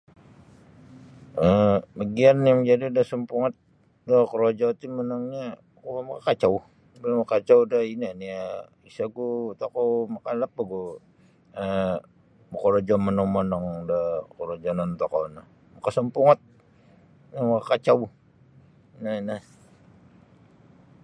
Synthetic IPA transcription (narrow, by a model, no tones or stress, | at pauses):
əməɡianjaŋd͡ʒadidahsəmpuŋat̪̚ | dakəɾod͡ʒat̪imənɔŋɲa | kumakakat͡ʃau | bilmakat͡ʃawdainania | isaɡut̪akowmakanlapaɡu | ə | makoɾod͡ʒɔmənɔŋmənɔŋdakəɾod͡ʒanant̪akonah | makasəmpuŋat̪̚ | jamakakat͡ʃaw | nana